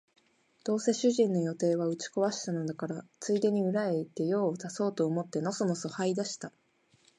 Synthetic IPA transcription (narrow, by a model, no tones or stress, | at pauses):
d̪̥o̞ːse̞ɕɨʑĩnːo̞jo̞t̪e̞ːβaɯ̟t͡ɕi̥ko̞βaɕi̥t̪ano̞d̪akaɾat͡sɨid̪e̞ɲ̟iɯ̟ɾae̞it̪ːe̞jo̞ːzaso̞ːt̪o̞omo̞t̪ːe̞no̞sono̞so̞haid̪aɕi̥t̪a